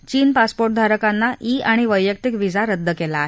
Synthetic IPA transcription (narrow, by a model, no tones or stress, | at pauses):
t͡ɕiːnpaspoɾʈ̚d̪ʱaɾəkanːaʔiːaɽ̃iʋəjːək̚t̪ikʋid͡zaɾəd̪ʱːəkɛlaːɦe